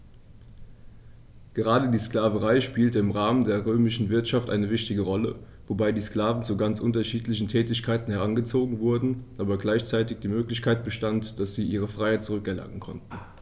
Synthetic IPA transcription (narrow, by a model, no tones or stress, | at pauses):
ɡ̥əʁaːdədiːskl̥aːvəʁaɪʃpiːltəɪmʁaːməndeːɐʁøːmɪʃn̩vɪɐtʃaftʔa̰ɪnəvɪçtɪɡəʁɔlə | vobaɪdiːskl̥aːvn̩t͡suɡant͡sʔʊntɐʃiːtlɪçn̩tʰɛːtɪçkʰaɪtn̩hɛʁanɡət͡soːɡŋ̩vʊɐdn̩ʔaːbɐɡlaɪçt͡saɪtɪçd̥iːmøːklɪçkʰaɪt̚b̥əʃtantd̥asz̥iːʔiːʁ̞əfʁ̥aɪhaɪt̚t͡suʁʏkɛɐlʔa̰ŋənkʰɔ̰ntn̩